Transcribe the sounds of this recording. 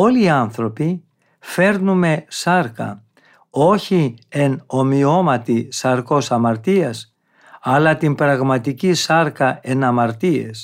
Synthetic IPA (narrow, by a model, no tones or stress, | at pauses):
o̞liɐnθɾo̞pi | fe̞ɾnume̞sɐɾkɐ̰ | o̞çieno̞mio̞mɐt̪isɐɾko̞sɐmɐɾt̪iɐs | ɐlɐt̪impɾɐɣmɐt̪icisɐɾkɐe̞nɐmɐɾt̪ie̞̰s